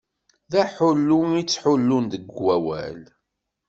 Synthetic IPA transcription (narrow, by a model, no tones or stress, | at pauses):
ðæħʊlːumit͡sːħʊlːund̪əɡwæwæ̰l